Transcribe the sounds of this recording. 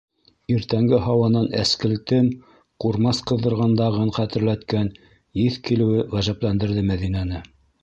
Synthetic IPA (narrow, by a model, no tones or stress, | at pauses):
iɾt̪æŋɡɘɦɑwɑnɑnæ̰skɘ̆lt̪ɘm | quɾmɑsqɤ̆ðːɤ̆ɾʁɑnd̪ɑʁɤɴqæt̪ɘ̆ɾlæt̪kæn | jiθkilɘ̆wɘwæʒæplænd̪ɘ̆ɾðɘmæðinænɘ